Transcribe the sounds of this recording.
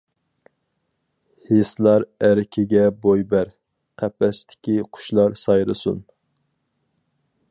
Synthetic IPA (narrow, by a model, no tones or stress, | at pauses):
heslˠɑɾæɾɪkʲʰɪɡʲɛbojbæɾ | qʰæpɛst̪ʰɪ̥kʲiqʰʊ̥ʃlˠɑɾsɑjɾɨsṵn